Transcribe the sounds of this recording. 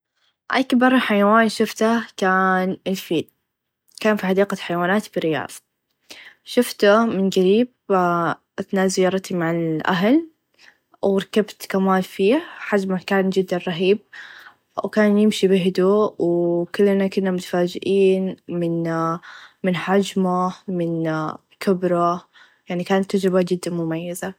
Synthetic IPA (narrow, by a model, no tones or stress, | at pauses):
ʔa̰kbɑɾˤːɑħajawaːnʃʊft̪akaːnɪlfiːd | kaːnfiħad̪iːqaħajwaːnaːt̪bɪɾɪjɑ̰ːðˤɑ̥ | ʃʊft̪amɪnɡaɾiːb̚ | ʔɪθnaːzɪjːɑːɾˤt̪imaʕalʔa̰ɦl | wɾˤɑkabt̪kamaːlfiːhħad͡ʒmakaːnd͡ʒɪd̪ːanɾˤɑɦiːb̚ | wkaːnjɪmʃibɪɦd̪uːwkʊlːnakʊnːamʊt̪ḁfaːd͡ʒɪʔiːnmɪn | mɪnħad͡ʒmamɪn | kɪbɾˤa | jaʕnikaːnat̪ːad͡ʒɾɪbad͡ʒɪd̪ːanmʊmajːaza